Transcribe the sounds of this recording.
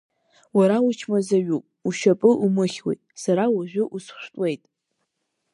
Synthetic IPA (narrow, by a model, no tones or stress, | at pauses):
waɾawut͡ʃʰmazaɥupʼuʃapʼɨʔumɨχʲwḛjtʼsaɾawaʒʷᶣʊʔusʃʷᶣtʼwe̞jtʼ